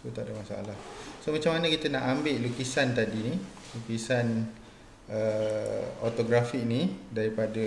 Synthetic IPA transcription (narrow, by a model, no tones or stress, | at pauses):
t̪ut̪aʔdamasaʔa̰lahsomat͡ʃamːanəkit̪ənaʔambɪʔlukisant̪adini | lukisan | ə | o̰t̪oɡɾafik̚nidaɾipada